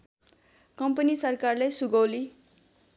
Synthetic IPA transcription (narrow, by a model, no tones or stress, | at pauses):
kʌmpʌnisʌrkarlejsuɡʌwli